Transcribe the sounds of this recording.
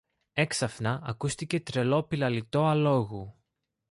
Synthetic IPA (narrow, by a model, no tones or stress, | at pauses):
e̞ksɐfnɐʔɐkust̪ice̞t̪ɾe̞lo̞pilɐlit̪o̞ɐlo̞ɣu